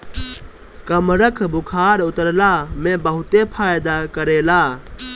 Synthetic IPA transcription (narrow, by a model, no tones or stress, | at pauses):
kəmɾəkʰbʊkʰaːɾʊt̪əɾlaːmẽːbəɦʊt̪eːpʰaːjd̪aːkəɾeːlaː